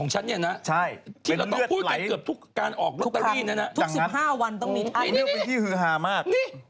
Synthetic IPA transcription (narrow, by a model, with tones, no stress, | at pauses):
ɔː˩˦ŋt͡ɕʰa˦˥nːi˥˩ɐna˦˥ʔt͡ɕʰa˥˩jt̪ʰiː˥e˧ɾa˧˦w̪ɔ˥ɯ˥˩əpʰuː˥˩kaː˧˦ɯ˨˩əp̚t̪ʰu˦˥kːaː˧nʔɔː˨˩k̚ɾo˦˥˦t̪ːaː˧˥˩na˦˥na˦˥ʔt̪ʰu˧ksi˨˦˩ɦaː˥˩wa˧nt̪ɔ˥˩ŋmiː˧t̪ʰa˧˥˧ni˦˥˩wa˧t̪ʰiː˥˩hɯː˨˦ɦaː˧maː˥˩kniː˥˩